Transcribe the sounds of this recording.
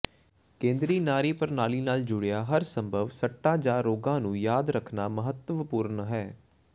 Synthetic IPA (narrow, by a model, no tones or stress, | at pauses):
kẽːnd̪ɾiːnaːɾiːpəɾnaːliːnaːld͡ʒʊɽejaːɦəɾsə̃mbʱəʋsəʈːãːd͡ʒãːɾoːɡãːnũːjaːd̪ɾəkʰnaːməɦət̪ʋpuːɾnɦɛː